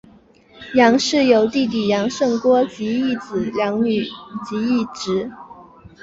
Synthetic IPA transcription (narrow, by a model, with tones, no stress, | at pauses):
jɑ˧˥ŋʂɻ̩˥˩jo˧˥ʊt̪i˥˩t̪̬i˨˩jɑ˧˥ŋʂɤ˥˩ŋkwɔ˥t͡ɕi˧˥i˥˩t͡sɹ̩˨˩ljɑ˧˥ŋny˨˩˦t͡ɕi˧˥i˥˩ʈ͡ʂɻ̩˧˥